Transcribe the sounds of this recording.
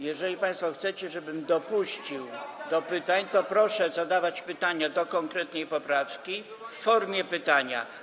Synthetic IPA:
jɛʐɛlʲipaj̃st̪fɔxt̪sɛt͡ɕɛʐɛbɘmd̪ɔpuɕt͡ɕiwd̪ɔpɘt̪aɲt̪ɔpɾɔʂɛzad̪avat͡ɕpɘt̪aɲad̪ɔkɔŋkɾɛt̪nɛjpɔpɾafkʲi | fːɔɾmʲjɛpɘt̪aɲa̰

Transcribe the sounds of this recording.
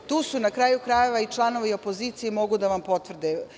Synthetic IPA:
t̪uːsunakɾaːjukɾaːjeʋait͡ʃlˠano̞ʋaio̞po̞ziːt̪sijemo̞ɡud̪aʋampo̞t̪ʋr̩d̪ɛ

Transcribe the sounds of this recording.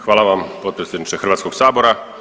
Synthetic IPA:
xʋaːlaʋaːmpɔt̪̚pɛsɛnaʃɛxr̩ʋaːtt͡skɔɡsaːbɔɾa

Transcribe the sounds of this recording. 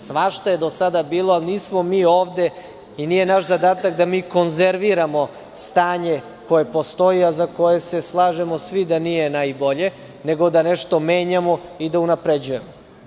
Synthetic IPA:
sʋaʃt̪oje̞d̪osad̪abiːloalniːsmomiːoːʋd̪e̞ | inije̞naʃzad̪aːt̪akd̪amiːko̞nzeɾʋiɾamo̞ | st̪aːɲe̞ | ko̞je̞po̞st̪o̞iazako̞je̞se̞slˠaːʒe̞mosʋid̪anije̞najbo̞ʎe | neɡo̞d̪aneʃt̪o̞meːɲamo̞id̪aunapɾed͡ʑuje̞mo

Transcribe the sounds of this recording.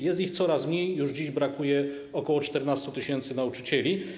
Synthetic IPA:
jɛst̪ixt̪sɔɾasmɲejːuʐd͡ʑiʑbɾakujɛ | ɔkɔwɔt͡ʂt̪ɛɾnast̪ut̪ɘɕɛnt̪sɘnaut͡ʂɘ̥t͡ɕɛlʲi

